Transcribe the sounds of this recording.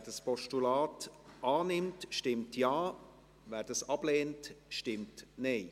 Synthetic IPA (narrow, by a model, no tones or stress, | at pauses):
ɛːd̥ɑspɔʃtulɑːtɑːnɪmtʃtɪmtjɑː | vɛːɾd̥ɑsɑb̥leːntʃtɪmtneɪ